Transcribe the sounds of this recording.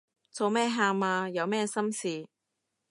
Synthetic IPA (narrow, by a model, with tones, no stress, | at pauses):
t͡so˧wmɛː˥ɦaː˧maː˧jɐ˨˧wmɛː˥sɐ˥msiː˨